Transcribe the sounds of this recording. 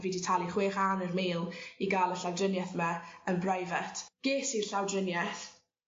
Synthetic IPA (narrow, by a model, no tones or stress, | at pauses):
viːditʰalˠiχweːχaːnərmeːlˠiɡaːlˠəɬawdrɪnjaθmaənbrajvɛtʰɡ̥eːsirɬawdrɪnjɛθ